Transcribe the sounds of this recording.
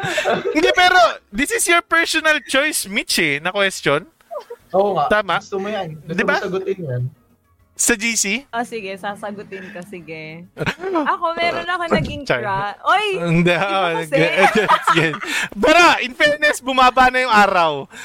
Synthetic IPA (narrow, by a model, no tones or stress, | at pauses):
ɪnd̪ɛpɛːɾo̞d̪ɪsɪsjoɹpɛɹsonɐlt͡ʃojsmit͡ʃɛnɐkwɛst̪jon | ʔoːŋat̪aːmɐt̪omɐjand̪ɪbasɐɡʊt̪ɪnjɐn | sɐd͡ʒiːsiʔosɪɡɛsaːsɐɡʊt̪ɪnkɐsɪɡɛ | ɐkomɛːonɐkonɐɡɪŋt͡ʃajaojɪnd̪ɛʔʔoʔɐɡɛd̪ɛsjɐnpaːɾɐʔɪnfɛɹnɛsbʊmaːbanɐjʊŋʔaːɾɐw